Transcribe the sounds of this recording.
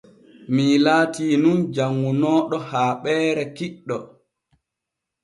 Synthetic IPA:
milaːtiːnumd͡ʒaŋːunɔːɗɔhaːɓɛːɾɛkiɗːɔ

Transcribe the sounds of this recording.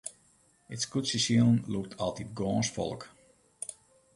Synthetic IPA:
ɪtskutsəsiəlˠnluk̚tʰɑlˠtit̚ɡɔːnsfɔ̰lˠək

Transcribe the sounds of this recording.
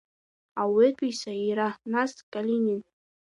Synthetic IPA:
awɪtʰʷʼisaiɾanaskʼalʲinʲin

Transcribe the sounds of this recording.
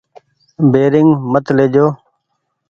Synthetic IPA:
beːɾɪŋɡmət̪leːd͡ʒoː

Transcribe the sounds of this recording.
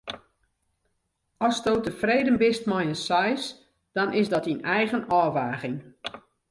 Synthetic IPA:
ɔstoːtəfreːdənbɪstmɔjənsɔjs | d̥ɔnɪsdɔtinɛjɣənɔːʋaːɣɪŋ

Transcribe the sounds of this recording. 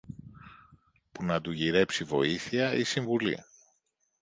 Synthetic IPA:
punɐd̪uʝiɾe̞psivo̞̰iθiɐisiɱvulḭ

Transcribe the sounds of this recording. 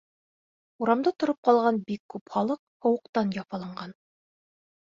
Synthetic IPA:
uɾɑmd̪ɑt̪ŏɾop̚qɑlˠʁɑnbikːʉpχɑlˠɤq | hŏwɤ̆qt̪ɑnjɑfɑlˠɑɴɢɑn

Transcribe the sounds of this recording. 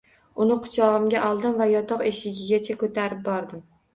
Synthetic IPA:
ʊnɪqʰʊ̥t͡ʃʰɒʁɨmɡʲaʔɒlˠd̪ɪmvajɒt̪ɒqe̞ʃɪɡʲɪɡʲat͡ʃʰakʰɵt̪ʰaɾɪp̚bɒɾd̪ɪm

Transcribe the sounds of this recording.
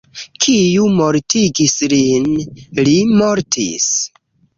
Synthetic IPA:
kʰijumoɾtiɡislinlimoɾtʰḭs

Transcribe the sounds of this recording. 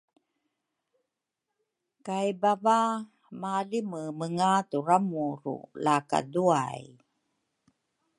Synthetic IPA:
kajbava | maliməməŋaturamuɾṵlaka̰dua̰j

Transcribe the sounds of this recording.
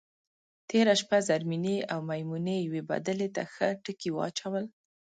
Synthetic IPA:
t̪eɾaʃpazaɾmineawmajmunejaweba̰d̪əlet̪axəʈəkiwɑ̰t͡ʃawəl

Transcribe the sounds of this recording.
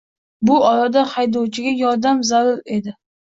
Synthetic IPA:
bʊɒɾad̪ahajd̪ɒwt͡ʃʰɪɡʲajɒɾd̪amzaɾʊɾe̞d̪ɪ

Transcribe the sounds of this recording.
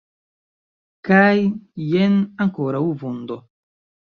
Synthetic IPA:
kajːenaŋkoɾawvund̪o

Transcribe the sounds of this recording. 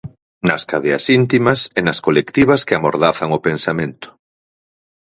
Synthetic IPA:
nɐskaðeɐsint̪imɐsenɐskolekt̪iβ̞ɐskɪamoɾðaθaŋʊpensamẽnt̪ʊ̥

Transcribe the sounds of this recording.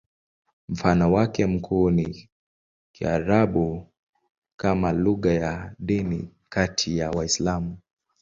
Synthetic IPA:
m̩fanɔwakɛm̩kʰuːni | kia̰ɾaɓu | kamaluɣajaɗini | katʰijawaislamu

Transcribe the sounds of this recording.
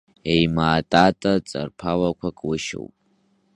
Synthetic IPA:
ejmaːtʼatʼat͡sʼa̰rpʰawakʷʰakʼwʊʃo̰wpʼ

